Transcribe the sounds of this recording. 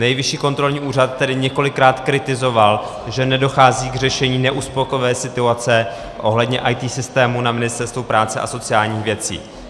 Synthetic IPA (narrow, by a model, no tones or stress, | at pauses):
nɛjvɪʃiːko̞nt̪ɾo̞lɲiːʔuːrat̪̚ːɛdɪɲɛko̞lɪkɾaːt̪kɾɪt̪ɪzo̞val | ʒɛnɛdo̞xaːziːɡr̝ɛʃɛɲiːnɛʔuspokovɛːsɪt̪uat͡sɛ | ʔo̞ɦlɛdɲɛʔajt̪iːsɪst̪ɛːmunamɪnɪst̪ɛɾst̪vupɾaːt͡sɛʔa̰so̞t͡sɪjaːlɲiːxvjɛt͡sḭː